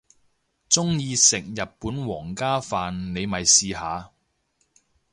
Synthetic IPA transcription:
t͡sʊ˥ŋjiː˧sɪ˨k̚jɐ˨t̚puː˨˥nwɔː˨˩ŋkaː˥faː˨nne˨˧jmɐ˨jsiː˨˧ɦaː˨˧

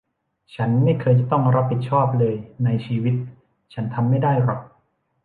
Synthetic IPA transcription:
t͡ɕʰa˦˥nma˥˩jkʰɤː˧jt͡ɕa˨˩t̪ɔ˥˩ŋɾa˦˥pʰːi˨˩t̪̚t͡ɕʰɔː˥˩p̚lɤː˧jna˧jt͡ɕʰiː˧wi˦˥t̪̚ | t͡ɕʰa˦˥nt̪ʰa˧mːa˥˩jdaː˥˩jɾɔ˨˩k̚

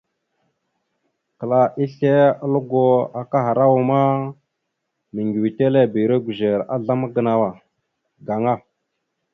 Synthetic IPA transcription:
kə˨la˨ʔi˦ɬe˦a˦lu˦ɡo˦a˨ka˦ɦa˨ɾa˦wu˨ma˦ | mi˨ŋɡi˨wi˨te˦le˦˨bi˨ɾe˦ɡʷu˨ʒe˨ɾa̰˦ɮa˦ma˦ɡə˨na˨wa˨ | ɡa˨ŋa˦˨

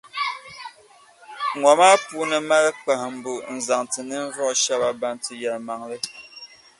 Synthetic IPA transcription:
ŋa˨maː˦puː˦nɨ˨ma˦lə˦k͡pa˨hm̩˨bu˨n̩˨za˨ŋtɨ˨nɨ˦n̩˦vɔ˦ʔʃa˦ba˦ba˨ntɨ˨ja˨lma˨ŋlɨ˦

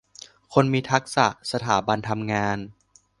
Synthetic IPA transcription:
kʰo˧nmiː˧t̪ʰa˦˥k̚sa̰˨˩ʔsa˧t̪ʰaː˩˦ba˧nt̪ʰa˧mŋaː˧n

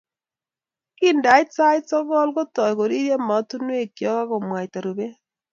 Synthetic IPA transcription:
ki˦nda˨˦ɪtsa˦ɪ˦tsɔ˦ɡɔ˦lko˦tɔ˨jko˨ɾi˦ɾje˦ma˨˦tu˦nwe˦kːjɔ˦ka˦kɔ˨mwa˨jta˨ɾu˨be˦

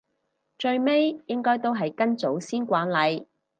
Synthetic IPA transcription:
t͡ʃɵ˧ɥme˥jjɪ˥ŋkɔː˥jt̪o˥wɦɐ˨jkɐ˥nt͡so˨˥wsiː˥nkʷaː˨˥nlɐ˨˧j

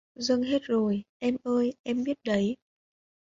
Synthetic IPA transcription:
zə˧ŋɦe˦˥t̚zo˨˩jʔɛ˧mʔəː˧jʔɛ˧mɓi˦˥ət̚ɗə˨˦j

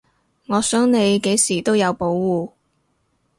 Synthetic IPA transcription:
ŋɔː˨˧sœː˨˥ŋne˨˧jke˨˥jsiː˨˩t̪o˥wjɐ˨˧wpo˨˥wwuː˨

